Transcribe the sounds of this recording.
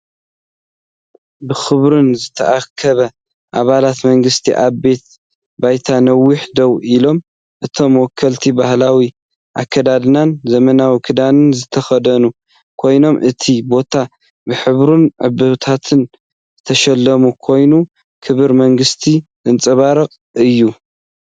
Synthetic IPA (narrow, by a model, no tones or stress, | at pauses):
bɨxɨβɾunzɨt̪ʰɐ̰ʔakʰːɐβɐ | ʔaβalat̪mɐŋɡɨst̪ʰḭʔaβbe̞t̪̚ | bajt̪ʰanɐwːiħd̪ɐwilo̞m | ʔɨt̪ʰo̞mwɔkʰːɐlt̪ʰibahlawi | ʔa̰kʰːɐd̪ad̪ɨnanzɐmɐnawikʰɨd̪anɨnzɨt̪ʰɐxɐd̪ɐnu | kʰo̞jno̞mʔɨt̪ʰibo̞t̪ʰa | bɨħɨβɾunʕɨ̰bɨβt̪ʰat̪ʰɨn | zɨt̪ʰɐʃɐlːɐmukʰo̞jnu | kʰɨβɨɾmɐŋɡɨst̪ʰizɨnt͡sʼɨβaɾɐkʼ | ɨjːu